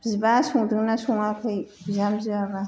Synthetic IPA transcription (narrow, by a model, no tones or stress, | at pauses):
bzibasuŋdɯŋnasɔŋakʰɯjbizamziaba